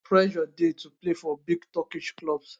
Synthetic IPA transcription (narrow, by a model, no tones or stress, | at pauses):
pɹɛʃɔdetuplefɔbiɡtɔkiʃklɔbs